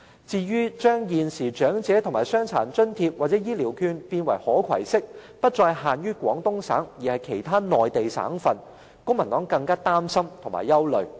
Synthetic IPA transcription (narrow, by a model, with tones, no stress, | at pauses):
t͡siː˧ɥyː˥t͡ʃœː˥ŋjiː˨nsiː˨˩t͡ʃœː˨˥ŋt͡sɛː˨˥t̪ʰʊ˨˩ŋmaː˨˩sœː˥ŋt͡sʰa̰ː˨˩nt͡ʃɵ˥nt̪ʰiː˧p̚waː˨t̚t͡sɛː˨˥jiː˥liː˨˩wkʰyː˧npiː˧nwɐ˨˩jhɔː˨˥kʰɐ̰˨˩jsɪ˥k̚ | pɐ˥t̚t͡sɔː˧jhaː˨nɥyː˥kwɔː˨˥ŋt̪ʊ˥ŋsa̰ː˨˥ŋjiː˨˩hɐ˨jkʰe˨˩jt̪ʰaː˥nɔː˨jt̪e˨jsa̰ː˨˥ŋfɐ˨n | kʊ˥ŋmɐ˨˩nt̪ɔː˨˥ŋkɐ˧ŋkaː˥t̪aː˥msɐ˥mt̪ʰʊ˨˩ŋma̰ː˨jɐ˥wlɵ˨ɥ